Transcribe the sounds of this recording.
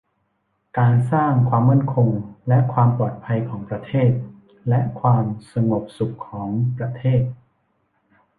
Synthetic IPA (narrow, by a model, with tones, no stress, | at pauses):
kaː˧nsaː˥˩ŋkʰwaː˧mːa˥˩ənkʰo˧ŋlɛ˦˥ʔkʰwaː˧mpɔː˨˩t̪̚pʰa˧jkʰɔː˩˦ŋpɾa˧t̪ʰeː˥˩t̪̚ | lɛ˦˥ʔkʰwaː˧msa˧ŋo˨˩p̚su˨˩kʰːɔː˩˦ŋpɾa˧t̪ʰeː˥˩t̪̚